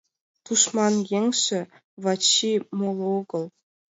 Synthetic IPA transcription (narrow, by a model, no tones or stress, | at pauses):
t̪uʂmɑnjeŋʲʂɘ̆ | vɑt͡ɕːimolˠoɡɤ̆lˠ